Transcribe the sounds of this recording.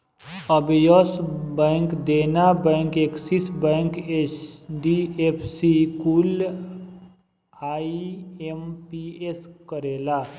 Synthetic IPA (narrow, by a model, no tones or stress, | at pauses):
əbjɔsbɛ̃ːŋkd̪eːnabɛ̃ːŋkeːksisbɛ̃ːŋkeɖiepʰsikul | aːiempieskəɾeːlaː